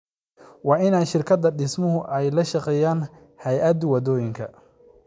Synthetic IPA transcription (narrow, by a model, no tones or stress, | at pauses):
wɑːɪnaːjʃɪrkʰɐd̪ɐɖɪsmʊɦʊʔɛjlɐʃɑqɛːjaːn | hɐjʔɐd̪wɐd̪ɔːjɪŋkʰɐ̰